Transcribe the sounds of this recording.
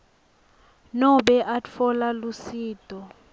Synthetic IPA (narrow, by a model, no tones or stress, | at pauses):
nɔɓɛʔafɔlalusiːtʼɔ